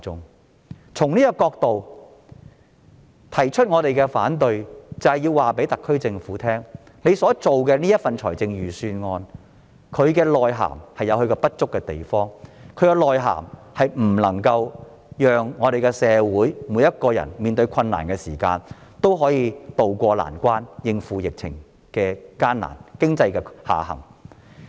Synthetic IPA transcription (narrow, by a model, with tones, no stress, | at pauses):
ʊ˥ŋ | t͡sʰʊ˨˩ŋniː˥kɐ˧kɔː˧k̚t̪o˨w | t̪ʰɐ˨˩jt͡ʃʰɵ˥t̚ŋɔː˧t̪e˨jkɛ˧faː˨˥nt̪ɵ˨ɥt͡sɐ˨˩hɐ˨jiː˧waː˨pe˨˥t̪ɐ˨kʰːɵ˥ɥt͡sɪ˧ŋfuː˨˥t̪ʰɛː˥ŋ | ne˨˧jsɔː˨˥t͡so˨wkɛː˧niː˥jɐ˥t̚fɐ˨nt͡ʃʰɔː˨˩jt͡sɪ˧ŋjyː˨˩syː˧nŋɔː˧n | kʰɵ˨˧ɥkɛː˧lɔː˨jɦa̰ː˨˩mhɐ˨jɐ˨˧whɵ˧kɔː˧pɐ˥t̚t͡ʃt͡sʊ˥kːɛ˧t̪e˨jfɔː˥ŋkʰɵ˨˧ɥkɛ˧lɔː˨jɦa̰ː˨˩mhɐ˨jm̩˨˩lɐ˨˩ŋkɐ˧w | jœː˨ŋːɔː˨˧de˨jkɛ˧sɛː˨˧wuː˨˥jmuː˨˧jɐ˥t̚kɔː˧jɐ̰˨˩nmiː˨nt̪ɵ˧ɥkʰɐ˧nːa̰ː˨˩nkɛː˧siː˨˩ka̰ː˧nt̪o˥wɦɔː˨˥jiː˧t̪o˨wkʷɔː˧la̰ː˨˩nkʷaː˥njɪ˧ŋfuː˨˧jɪ˨k̚t͡sʰɪ̰˨˩ŋ | kɛː˧kaː˥na̰ː˨˩nkɪ˥ŋt͡sɐ˧jkɛ˧ha̰ː˨˩hɐ̰˨˩ŋ